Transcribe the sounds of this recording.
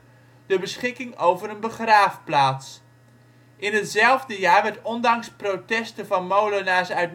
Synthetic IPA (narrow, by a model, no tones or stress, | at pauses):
d̥əbəsχɪkɪŋowvərənbəχraːfplaːts | ʔɪnɦətzɛlˠvdəjaːɹʋɛɹtɔndɑŋsprotɛstəvɑnmowlənaːsœɥt̚